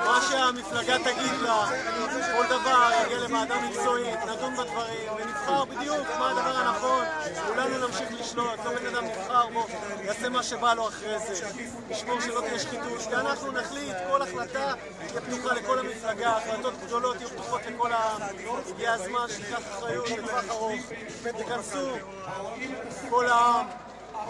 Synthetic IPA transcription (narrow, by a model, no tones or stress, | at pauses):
maʃeamiflaɡat̪aɡid̪la | ko̞ld̪avaʁaɡialemaːdamikt͡so̞it̪nadunbad̪vaʁimvenifχaʁbid̪ijukmaad̪avaʁanaχo̞nkulanunamʃiχliʃlo̞t̪lobe̞nad̪amnivχaʁbo | jase̞maʃe̞balo̞aχʁeze | liʃmoʃelo̞t̪ijɛʃχit̪utveanaχnunaχlit̪ko̞laχlat̪a | jabt̪uχale̞ko̞lamiflaɡaχlat̪o̞t̪ɡd̪o̞lo̞t̪hajub̚t̪uχo̞t̪le̞ko̞laamɡiaazmanʃeikaχaχʁajut̪etvaχaʁuf | t̪ikansu | ko̞laam